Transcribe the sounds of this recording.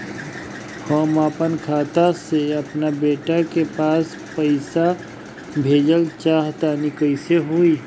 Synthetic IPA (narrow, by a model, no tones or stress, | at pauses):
hɔːmaːpənkʰaːt̪aseɐpnabeːʈakepaːs | pəɪsa | bʱeːd͡ʒəlt͡ʃaːɦt̪anikəɪseɦui